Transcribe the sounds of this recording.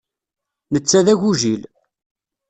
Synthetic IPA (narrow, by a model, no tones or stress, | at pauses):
nət͡sːæðæʝuʒil